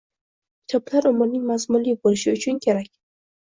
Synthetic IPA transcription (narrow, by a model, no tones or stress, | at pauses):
kʲʰɪ̥t̪ʰɒblaɾʊmʊɾnɪŋmazmʊnlibolɪʃɪʊt͡ʃʰʊnkʲʰe̞ɾakʲ